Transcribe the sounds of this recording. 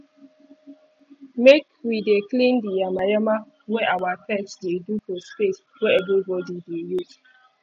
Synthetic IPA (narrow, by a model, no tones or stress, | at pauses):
mek | wideklĩndiamajama | wɛʔawatɛksdedufɔspes | wɛɛvɹibɔdidejuz